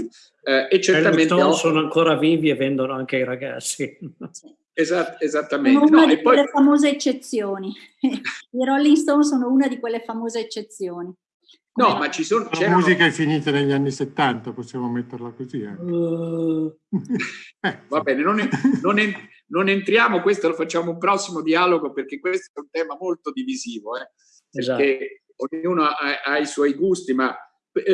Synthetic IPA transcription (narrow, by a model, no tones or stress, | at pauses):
et͡ʃːeɾɛlt̪aiŋmẽt̪onsoːnoaŋkoːɾaviːvievːɛnd̪onoaŋkeiɾaɡa̰t̪sːi | ezat̪ezat̪ːamenounaeipɔjlefamoːzeːt͡ʃːet̪sːjoːni | iɾɔlːiŋst̪owns̬oːnouːnad̪ikwelːefamoːzeːt͡ʃːet̪sːjoːni | nɔmat͡ʃisoːnot͡ʃaɛmuːzikaɛfːiniːt̪aneʎːanːiset̪ːant̪aposːjaːmomet̪ːeɾlakozia̰ŋ | ɛvabɛːnenonnonen | nonent̪ɾjaːmokwest̪olofat͡ʃːaːmoumpɾɔsːimod̪iaːloɡoperk̟ekwest̪oɛunt̪ɛːmamolt̪od̪iviziːvoɛ | peke | oɲːuːnoaʔaiswɔjɡust̪ima | p